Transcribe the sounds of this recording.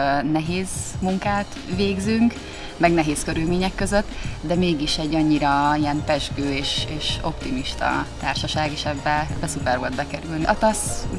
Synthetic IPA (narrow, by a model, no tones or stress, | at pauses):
nɛɦeːzmuŋkaːt̪ | ʋeːɡzyŋk | mɛɡnɛɦeːskøɾylmeːɲɛkːø̞zøt̪ːd̪ɛmeːɡiʃɛɟːɒɲːiɾɒijɛnpɛʒɡøːeːʃeːʃo̞pt̪imiʃt̪ɒ̰t̪aːrʃɒʃaːɡeːʃɛbːɛɛbːɛsupɛrʋo̞ld̪bɛkɛɾylniɒt̪ɒs